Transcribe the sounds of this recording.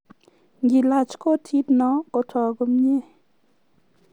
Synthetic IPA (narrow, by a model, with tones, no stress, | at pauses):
ŋɡi˨la˨t͡ʃko˦tʰi˦dnɔ˨˦kɔ˨tʰɔ˨ɡo˦me˦˨